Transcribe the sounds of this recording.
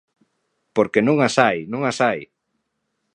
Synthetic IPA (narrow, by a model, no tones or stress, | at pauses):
poɾkenũŋasajnũŋasaj